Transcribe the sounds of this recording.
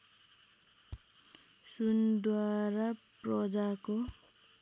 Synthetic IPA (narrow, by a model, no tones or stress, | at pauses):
sund̪waɾaprʌd͡zako